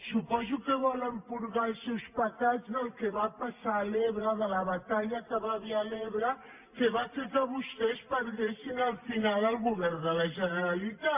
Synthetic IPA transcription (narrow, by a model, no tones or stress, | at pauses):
supɔzukəβɔləmpuɾɣalˠsewspɐt̪azðəlˠkeβapɐsaleβɾəðəlɐβɐt̪aʎɐkəβaβialeβɾɐ | keβasekəβust̪espəɾðesiŋəlˠfinalˠəlˠɣuβɛɾnd̪əlɐʒənəɾalit̪a